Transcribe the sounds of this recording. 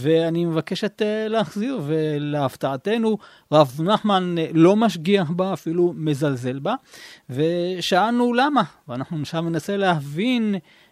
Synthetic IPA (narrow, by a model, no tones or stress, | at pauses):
ve̞animevake̞ʃetleaχziʁve̞leaftaate̞nu | ʁavnaχmanlo̞maʃ̬ɡiaxbaːfilume̞zalze̞lbave̞ʃaanulamaveanaχnunʃamne̞nase̞leavin